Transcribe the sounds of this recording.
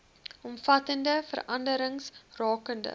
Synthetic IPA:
ɔmfɐtəndəfə̰rɐndəɾəŋsrɑːkəndə̰

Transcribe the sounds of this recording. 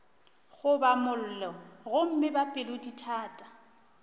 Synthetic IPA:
ɣʊbamʊl̩lɔɣʊm̩mɪbapʼɪloditʰaːtʼḁ

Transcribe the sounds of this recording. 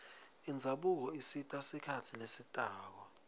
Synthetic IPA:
ind͡zʱaɓuk̬ɔisitʼasikʰatʰilesitʼaːk̬ɔ

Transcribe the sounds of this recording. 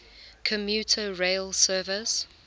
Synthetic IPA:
kʰəmjuːˑtʰəɹeɪlsɜːvɪs

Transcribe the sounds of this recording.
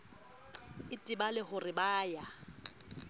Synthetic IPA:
ɪtʼɪbalɪχʊrɪbaːja

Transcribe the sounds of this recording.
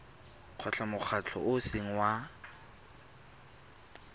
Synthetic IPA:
q͡χʰɔt͡ɬʰamʊk͡xʰat͡ɬʰɔ̰ʔʊseŋ̩wa

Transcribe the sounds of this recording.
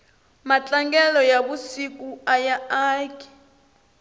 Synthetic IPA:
mat͡ɬʼaŋɡɛlɔjaβusik̬ʼuajaaːki̥

